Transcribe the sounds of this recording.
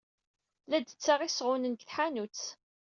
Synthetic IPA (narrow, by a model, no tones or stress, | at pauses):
læd̪ət͡sːaʁisʁʊnənkθħanut͡s